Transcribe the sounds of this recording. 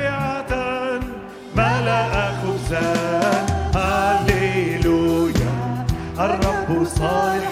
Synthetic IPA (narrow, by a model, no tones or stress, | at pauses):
ɪʕad̪an | malaʔaxʊzanhaleluja̰ | ʔɑrˤːɑbhʊsˤɑːlɪ